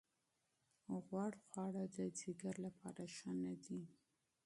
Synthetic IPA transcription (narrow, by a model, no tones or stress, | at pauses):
ɣwɑɽxwɑɽad̪əd͡ziɡaɾlapʰɑɾaʃanad̪i